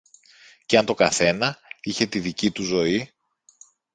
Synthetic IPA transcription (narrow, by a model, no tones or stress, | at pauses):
ceɐnt̪o̞kɐθe̞nɐiçe̞t̪iðicit̪uzo̞i